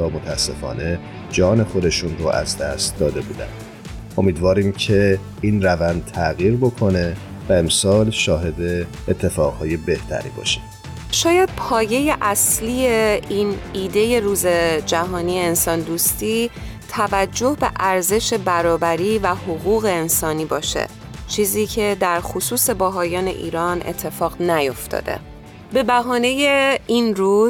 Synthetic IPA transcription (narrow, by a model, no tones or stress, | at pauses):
t̪ʰɒːmot̪ʰæsːe̞fɒ̰ːne̞ | d͡ʒɒːne̞xo̞d̪e̞ʃunɾo̰ʔæ̰zd̪æst̪̚d̪ɒːd̪e̞bṵːd̪æ̰nd̪̥ | ʔo̞miːd̪vɒːɾiːmcʰe̞ | inrævænd̪̚t̪ʰæɣiːɾbokʰo̞ne̞ | væe̞msɒːlʃɒːɦe̞d̪e̞ː | t̪ʰːe̞fɒːɣhɒːje̞be̞ht̪ʰæ̰ɾḭːbɒ̰ːʃi̥ | ʃɒːjæd̪̥̚pʰɒːje̞je̞ʔæsliːje̞ʔiniːd̪e̞je̞ɾuːze̞d͡ʒæɦɒːniːeːnsɒːnd̪uːst̪iːt̪ʰævæd͡ʒːo̞hbe̞ʔæɾze̞ʃe̞bæɾɒːbæɾiːvæhoɣuːɣe̞ːnsɒːniːbɒːʃḛ | t͡ʃʰiːziːcʰe̞d̪æɾxosuːse̞bæɦɒːjɒːne̞̰ʔḭːɾɒːnʔḛt̪ʰːe̞fɒːɣnæjo̞ft̪ʰɒ̰ːd̪̥ḛ | be̞bæɦɒːne̞jeinruːz